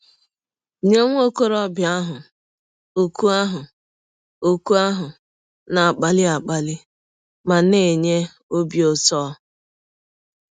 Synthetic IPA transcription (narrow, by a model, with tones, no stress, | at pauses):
ɲe˦ŋʷ˦o˦ko˦ɾɔ˦bja˦ɦʊ˨ | o˨ku˦a˦ɦʊ˨ | o˨ku˦a˦ɦʊ˨ | na˨a˨k͡pa˦lɪ˦a˨k͡pa˨lɪ˦ | ma˨ne˨ɲe˦ | o˦bi˨o˦tɔː˦